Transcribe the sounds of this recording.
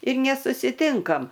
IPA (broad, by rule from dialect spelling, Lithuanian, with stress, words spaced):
ɪr nʲɛsʊsʲɪˈtʲɪŋkɐm